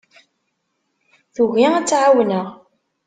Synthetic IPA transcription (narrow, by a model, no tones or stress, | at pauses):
θuʝiæt͡sːʕawnəʁ